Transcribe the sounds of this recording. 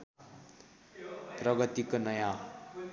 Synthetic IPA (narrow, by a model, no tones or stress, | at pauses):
prʌɡʌt̪ikonʌjã